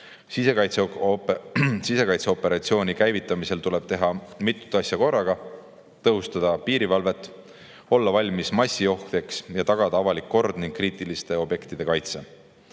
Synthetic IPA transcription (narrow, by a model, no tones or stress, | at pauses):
sise̞kɑjt̪se | sise̞kɑjt̪seo̞pːˑe̞ɾɑt̪sio̞ːnʲikæjvit̪ːˑɑmise̞lt̪ule̞b̥̚t̪eɦɑmit̪ːˑu̥t̪ːˑɑsjɑko̞rːɑɡ̥ɑ | t̪ɤɦust̪ɑd̪̥ɑpiːɾivɑlve̞t̪ːˑ | o̞lːɑvɑlʲmismɑsʲːio̞hkt̪e̞ksjɑt̪ɑɡ̥ɑd̪̥ɑɑvɑlikːo̞rd̪̥niŋɡ̥̚kːriːt̪ˑilist̪e̞o̞bje̞kt̪id̪e̞kɑjt̪se̞